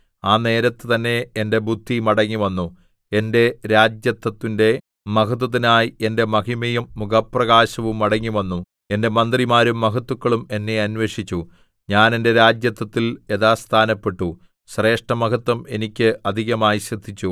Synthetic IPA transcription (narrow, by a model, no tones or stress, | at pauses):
aːne̞ːɾɐt̪ːɨt̪ɐnːe̞ende̞bʱud̪ʱːimɐɽɐŋːiʋɐnːu | e̞nde̞ɾaːd͡ʑjɐt̪ːɐt̪ːinde̞ | mɐkɐt̪̬ːɐt̪inaːjie̞nde̞mɐɦimɐjɐmːukɐpːrɐɣaːɕɐʋumɐɽɐŋːiʋɐnːu | e̞nde̞mɐnd̪rimaːɾumːɐkɐt̪ːukːɐɭume̞nːe̞ɐnwʋe̞ːʂit͡ɕːu | ɲaːne̞nde̞ɾaːd͡ʑjɐt̪ːɐt̪ːilje̞ðaːst̪ʰaːnɐpːe̞ʈːu | ɕre̞ːʂʈɐmɐkɐt̪ːɐme̞nikʲːɨɐd̪ʱiɣɐmaːjiɕid̪ʱːit͡ɕːu